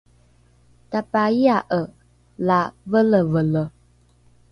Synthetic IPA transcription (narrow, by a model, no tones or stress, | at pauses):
tapaiaʔə | lavələvələ